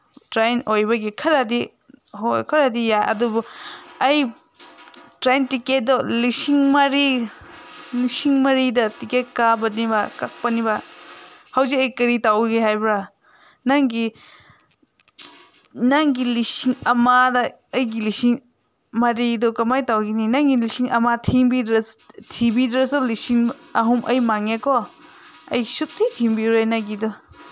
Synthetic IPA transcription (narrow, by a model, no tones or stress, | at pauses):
tɾajnojbɐɡikʰɐɾɐdi | hokʰɐɾɐdijaʔɐ̰dubuɐj | tɾajntiket̚dɔlisiŋmaɾi | lisiŋmɐɾidɐtikekabɐnibɐkak̚pɐnibɐ | hɐwzikɐjkɐɾitawɡeɦajbɾa | naŋɡi | naŋɡilisiŋɐmadɐ | ɐjɡilisiŋ | mɐɾidɔkɐmajtawɡininaŋɡilisiŋɐmatʰiŋbidɾɐtʰibidɾɐsulisiŋɐɦumʔɐjmaŋekɔ | ɐ̰jsutʰːitʰimbiɾojnaɡidɔ